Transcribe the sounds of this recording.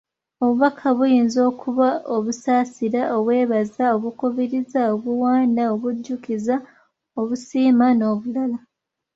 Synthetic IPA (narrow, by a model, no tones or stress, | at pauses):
o̞βuβakʰaβujiːnzo̞ːkʰuβaʔo̞βusaːsiɾaʔoβwe̞ːβazao̞βukuβiɾizaoβuwaːndao̞βuɟːukiza | oβusiːmano̞ːβulala